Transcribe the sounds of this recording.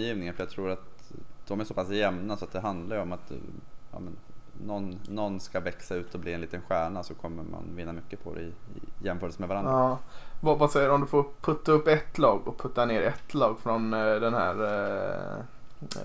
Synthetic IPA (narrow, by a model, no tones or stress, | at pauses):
jiːvnɪŋənfœɾjaɡt̪ʰɾuːɾat̪d̪̥ɔmæsɔpʰasjɛmnasɔat̪d̪ɛɦand̪laɾjəɔmat̪ɑ̰ːmɛnːɔnːɔnskavɛksaʉ̟ːt̪ɔbliːɛnliːt̪ənɧæːɳasɔkʰɔmːəɾma̰nvɪnːamʏkːəpʰɔd̪ɛ̰ɪɪjɛmːfœːɾəlsəmɛvaɾanɾavɑvasɛjːəɾɔmd̪ɵfoːɾpʰɵt̪ːaɵpːɛt̪ːlɑːɡɔpʰɵt̪ːaneːɾɛt̪ːlɑːɡfɾɔnd̪ɛnhæ̰ːɾ